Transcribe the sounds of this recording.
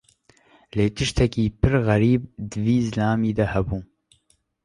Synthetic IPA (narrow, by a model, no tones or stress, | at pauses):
leːt̪ʰɨʃt̪ʰɛkiːpʰɨɾɣæɾiːb̚d̪ɨviːzlaːmiːd̪ɛhɛbuː